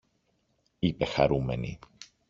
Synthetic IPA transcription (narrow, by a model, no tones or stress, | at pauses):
ipe̞xɐ̰ɾume̞nḭ